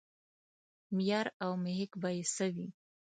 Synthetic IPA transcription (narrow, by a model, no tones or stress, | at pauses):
mjɑɾawmɪhɪkbɑjesawi